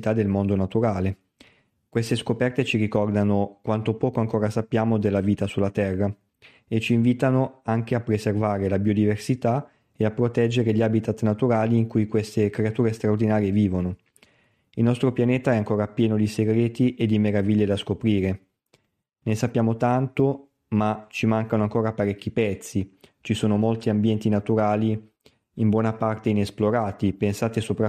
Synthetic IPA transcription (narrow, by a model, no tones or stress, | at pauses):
t̪ad̪elmond̪onat̪uɾaːle | kwest̪eskopɛrt̪et͡ʃiɾikɔrd̪anokwant̪opɔːkoaŋkoːɾasapːjaːmod̪elːaviːt̪asulːat̪ɛrːa | et͡ʃiːɱviːt̪anoaŋk̟eapːɾezervaːɾelabiod̪iversit̪a | eapːɾot̪ɛd͡ʒːeɾeʎabit̪at̪nat̪uɾaːliːŋkujkwest̪ekɾeat̪uːɾest̪ɾaord̪inaːɾjeviːvono | ilnɔst̪ɾopjaneːt̪aɛaŋkoːɾapjɛːnod̪iseɡɾeːt̪iʔed̪imeɾaviʎːed̪askopɾiːɾe | nesapːjaːmot̪ant̪o | mat͡ʃimaŋkanoaŋkoːɾapaɾɛkʲːipɛt̪sːit͡ʃisoːnomolt̪iambjɛnt̪inat̪uɾaːli | imbwɔːnapart̪einesploɾaːt̪ipensaːt̪esopɾa